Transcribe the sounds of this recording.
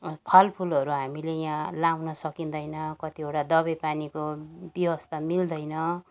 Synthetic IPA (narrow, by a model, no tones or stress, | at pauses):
pʰʌlpʰulʌɾuɦamilejãlawnʌsʌkind̪ʌjnʌkʌt̪ieʈad̪ʌbʌpanikobjiwʌst̪amild̪ʌjnʌ